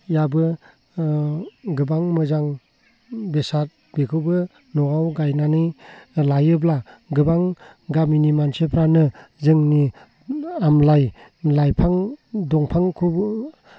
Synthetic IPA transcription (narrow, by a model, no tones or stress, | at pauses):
jabɯ | ɡɯbaŋmɯzaŋ | besat̚ | bekʰɯwbɯ | nɔɡawɡajnanɯjlajɯblaɡɯbaŋ | ɡaminimansepʰɾanɯzɯŋni | amlajlajpʰaŋdɔŋpʰaŋkʰu